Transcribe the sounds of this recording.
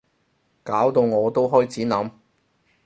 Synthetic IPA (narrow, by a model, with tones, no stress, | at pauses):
kaː˨˥wt̪o˧wŋɔː˨˧t̪o˥wɦɔː˥jt͡sʰiː˨˥nɐ˨˧˥m